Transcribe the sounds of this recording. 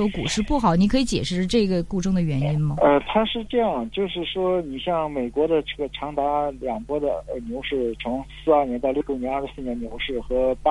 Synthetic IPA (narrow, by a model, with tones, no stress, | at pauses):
ɔ˥ku˨˩ʂɻ̩˥˧pu˥˩xɑ˨˩˦ʊni˧˥kʰɤ˧˥i˧˥t͡ɕjɛ̰˨˩ʂɻ̩˥˧ʈ͡ʂɤ˥˩i˧˥ɡə˨ku˥˧ʈ͡ʂʰʊ˥ŋd̪ə˨ɥɛ˧˥ni˥nmɐ˨˩ə˧t̪ʰa˥ʂɻ̩˥˧ʈ͡ʂɤ˥˧jɑ˥˩ŋt͡ɕjo˥˧ʊʂɻ̩˥˩ʂwɔ˥ni˨˩ɕjɑ˥˩ŋme˨˩ɪkwɔ˧˥d̪ə˧˨ʈ͡ʂɤ˥˩ɡə˩ʈ͡ʂʰɑ˧˥ŋt̪a˧˥ljɑ˨˩ŋpwɔ˥d̪ə˨ə˧njo˧˥ʊʂɻ̩˥˩t͡sʰʊ˧˥ŋsɹ̩˥˧ɐ˞˥˩njɛ˧˥nt̪ɑ˥˧ʊljjnjɛ˧˥nɐ˞˥˩ʂɻ̩˧˥sɹ̩˥˩nɛ˧˥nnjo˧˥ʊʂɻ̩˥˩xɤ˧˥p